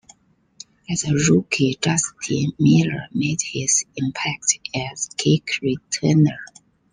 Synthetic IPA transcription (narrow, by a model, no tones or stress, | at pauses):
ɛzəɹukʰidastʰimiləmedhizĩmpʰæk̚tɛzkʰekɹitʰɛnə˞